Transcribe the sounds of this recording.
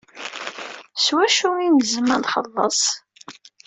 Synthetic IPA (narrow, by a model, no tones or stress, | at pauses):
swæʃuinzəmənχə̰lˤːə̰sˤ